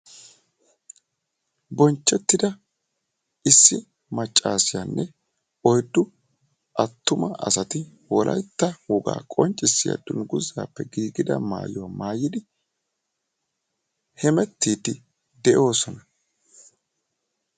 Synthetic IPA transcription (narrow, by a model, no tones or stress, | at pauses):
bɔnt͡ʃːɛt̪ːɪd̪ɐ | ɪsːɪ | mɐt͡ʃʼːaːsɪjanːʔɛ | ɔjd̪ːʊ | ʔɐt̪ːʊmɐʔɐ̰sɐt̪ɪ | wɔlʔɐ̰jt̪ːɐwɔɡa̰ːkʼɔnt͡ʃʼːɪsːɪja̰d̪ʊŋɡʊzːa̰ːpːɛɡiːɡɪd̪ɐ̰ma̰ːjwamaːjɪd̪ɪ | hɛmɛt̪ːiːt̪ɪ | d̪ɛʔo̞ːsɔnɐ